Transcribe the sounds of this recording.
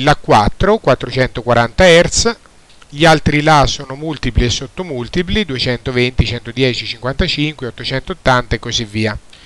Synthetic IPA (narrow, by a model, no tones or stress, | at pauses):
lakːwat̪ːɾokwat̪ːɾot͡ʃɛnt̪okwaɾant̪aɛrt̪s | ʎialt̪ɾilasoːnomult̪ipliesːot̪ːomult̪iplid̪uet͡ʃɛnt̪ovent̪it͡ʃɛnt̪od̪jɛːt͡ʃit͡ʃiŋkwant̪at͡ʃiŋkweɔt̪ːot͡ʃɛnt̪oot̪ːant̪aekːozivːiːa